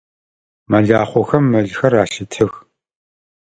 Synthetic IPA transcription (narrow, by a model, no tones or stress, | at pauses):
mɐɮaːχʷɔxɐmːɐɮxɐraːɬɪtʰɨx